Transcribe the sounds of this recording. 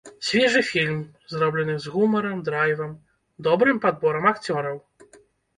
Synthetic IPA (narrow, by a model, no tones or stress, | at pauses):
sʲvʲɛʐɨfʲilʲm | zrɔblʲɛnɨzɣumɐɾɐmd̪ɾajvɐm | d̪ɔbɾɨmpad̪̚bɔɾɐmakt͡sʲɔɾɐw